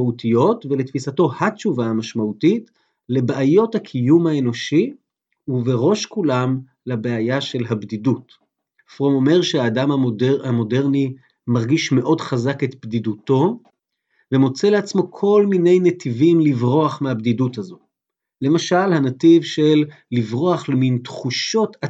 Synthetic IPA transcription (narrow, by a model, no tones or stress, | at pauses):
autijo̞tvelet̪fisato̞hatt͡ʃuvaamaʃmautit | le̞beʔajo̞thakʰijumhae̞no̞ʃi | uveʁo̞ʃkulam | labeajaʃe̞lɦabdidut | fʁomo̞me̞ʁʃeaːdamadamo̞deʁni | maʁɡiʃme̞ʔo̞dχazaketbdiduto̞ | vemo̞t͡se̞le̞at͡smo̞kʰo̞lmine̞jnetivimlivʁo̞aχmehabdiduthazo̞ | le̞maʃalhanativʃelːivʁo̞aχlemintχuʃo̞ta